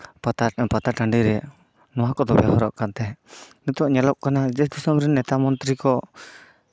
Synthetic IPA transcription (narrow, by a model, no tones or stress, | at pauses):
pat̪aʈaɳɖiɾɛ | nɔwakɔd̪ɔbɛaɦɔɾɔʔkant̪ɛnut̪ɔʔɲalɔʔ̚kanad͡ʒɛsd̪usɔmɾɛnːɛt̪amɔnt̪ɾikɔ